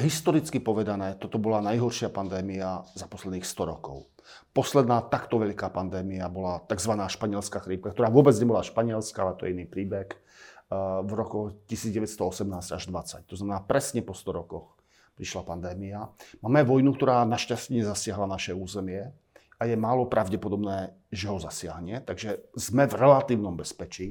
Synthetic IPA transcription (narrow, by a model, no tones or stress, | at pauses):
ɦist̪ɔɾit͡skipɔʋɛd̪anɛːt̪ɔt̪ɔbɔlanajɦɔɾʃɪapand̪ɛːmiazapɔslɛd̪niːxst̪ɔɾɔkɔ̰ʊ | pɔslɛd̪naːt̪akt̪ɔʋɛʎkaːpand̪ɛːmiabɔlat̪aɡzʋanaːʃpaɲɪɛlskaxɾiːp̚kakt̪ɔɾaːʋʊɔbɛd͡zɲɛbɔlaʃpaɲɪɛlskaalɛt̪ɔjɛiniːpɾiːbɛx | vɾɔkɔxcisiːd͡zɟɛʋɛt̪st̪ɔɔsɛmnaːzcaʒd̪ʋat͡sac̚t̪ɔznamɛnaːpɾɛsɲɛpɔst̪ɔɾɔkɔx | pɾiʃlapand̪ɛːmiamaːmɛʋɔjnuk̚t̪ɔɾaːnaʃcastɲɛzasɪaɦlanaʃɛuːzɛmɪɛ | ajɛmaːlɔpɾaʊɟɛpɔd̪ɔbnɛː | ʒɛɦɔzasɪaɦɲɛt̪aɡʒɛzmɛvɾɛlat̪iːʊnɔmbɛspɛt͡ʃiː